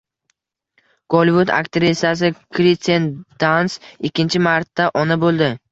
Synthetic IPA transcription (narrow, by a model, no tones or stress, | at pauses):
ɡ̥olʲvʊd̪a̰kt̪ʰɪɾɪsas̬ɪkʰɾit̪and̪̥ansɪkʲːɪnt͡ʃʰɪmaɾt̪ːaʔɒnabolˠd̪ɪ